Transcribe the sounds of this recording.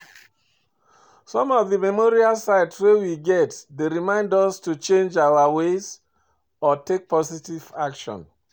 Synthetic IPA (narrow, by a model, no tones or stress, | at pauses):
sɔ̃mɔvðəmɛmɔɹialsaɪdswewiɡɛtdeɹimãɪ̃ndɔstut͡ʃẽnd͡ʒaʊawez | ɔtek̚pɔsitiv̥akʃɔ̰̃n